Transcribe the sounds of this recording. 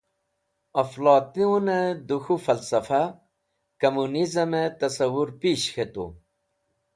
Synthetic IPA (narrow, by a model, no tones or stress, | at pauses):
ɐflɑːt̪iũned̪uxufɐlsɐfa | kɐmunizɐmet̪ɐsɐwuɾpiːɕxet̪ṵ